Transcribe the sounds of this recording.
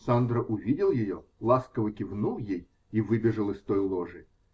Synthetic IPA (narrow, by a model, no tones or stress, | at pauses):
sand̪ɾəʔʊvʲidʲɪlˠjɪjo̰lˠaskəvəkʲɪvnujej | ivɨbʲɪʐɨlˠɨst̪ojlˠoʐɨ